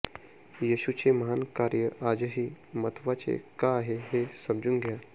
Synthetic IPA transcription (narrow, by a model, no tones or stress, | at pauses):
jiɕut͡ɕeməɦankaɾjəʔad͡ʑəɦiːmət̪ʰʋat͡ɕḛkaːɦeɦesəmd͡zunɡʱja